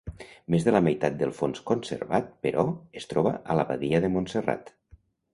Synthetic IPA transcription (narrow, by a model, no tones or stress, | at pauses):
mezðələmajt̪at̪̚d̪əlˠfonskonsḛɾβat̪̚pəɾʔɔest̪ɾɔβə̰ʔələβa̰ðiəðəmonsəra̰t̪